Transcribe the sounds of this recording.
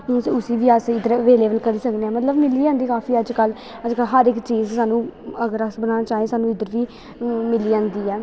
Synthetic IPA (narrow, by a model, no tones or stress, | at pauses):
sʊsiːʋiasɪd̪əɾʋeːleːbəlkəɾiːsəkneːɛːmət̪ləbmɪliːãːnd̪iːkaːfiːəd͡ʒkəl | əd͡ʒkəlɦəɾɪkt͡ʃiːzsaːnũːəɡəɾəsbənaːnaːt͡ʃaːeːsaːnũːɪd̪əɾʋiː | mɪliːãːnd̪iːɛː